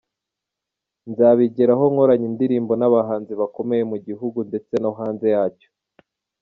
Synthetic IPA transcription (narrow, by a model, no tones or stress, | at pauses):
nzaːβiɟeɾaɦo̞ŋo̞ɾaɲindiɾiːmbo̞naβaɦaːnziβako̞me̞jemuɟiɦuɡunde̞t͡se̞noɦaːnze̞jaːco̥